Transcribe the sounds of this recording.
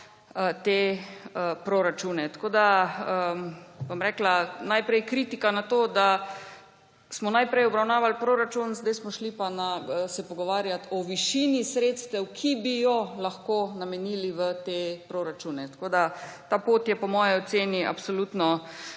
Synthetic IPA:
ət̪eəpɾoɾat͡ʃunɛt̪ḁkoːd̪aəbomɾɛːklanajpɾɛjkɾit̪ikanat̪oːd̪a | smɔnajpɾɛjɔbɾawnaːʋalpɾoːɾat͡ʃunzd̪ɛjsmɔʃlipanasɛpɔɡɔʋaːɾjat̪ɔʋiʃinisɾeːt̪st̪ɛwkʰibijɔlaxkoːnamɛniliʋət̪eːpɾoɾat͡ʃunɛt̪ḁkoːd̪at̪aːpoːt̪jɛpɔmɔːjiɔseːniʔa̰psolut̪nɔ

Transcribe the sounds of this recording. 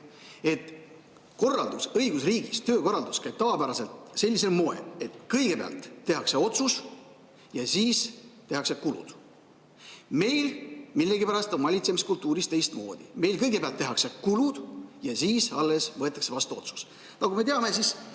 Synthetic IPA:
e̞t̪ˑ | ko̞rːɑld̪̥usɤjɡ̥usriːɡist̪øːko̞rɑld̪uskæjb̚t̪ɑvɑpæɾɑse̞lt̪se̞lʲːise̞lmo̞e̞̰le̞t̪kɤjɡ̥e̞peɑ̰lt̪ːe̞ɦɑkse̞o̞t̪sus | jɑsiːst̪e̞ɦɑksekulṵd̪̥ | me̞jlmilːe̞ɡipæɾɑst̪o̞nvɑlʲit̪semiskult̪ːˑuːɾist̪e̞jst̪mo̞̰ːd̪̥ime̞jlkɤjɡe̞peɑlt̪ːe̞ɦɑkse̞kulud̪̥jɑsiːsɑlːe̞svɤet̪ːˑɑkse̞vɑst̪uo̞t̪su̥s | nɑɡume̞t̪eɑme̞sis

